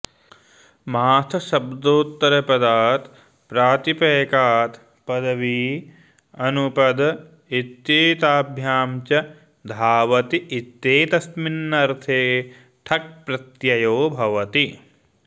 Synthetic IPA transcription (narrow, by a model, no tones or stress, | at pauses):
maːt̪ʰɐʃɐbd̪oːt̪ːɐɾɐpɐd̪aːt̪ | pɾaːt̪ipeːkaːt̪ | pɐd̪ɐʋiː | ɐnupɐd̪ɐ | it̪jeːt̪aːbʱjaːmt͡ʃɐ | d̪ʱaːʋɐt̪iit̪jeːt̪ɐsminːɐɾt̪ʰeː | ʈʰɐk̚pɾɐt̪jɐjoːbʱɐʋɐt̪i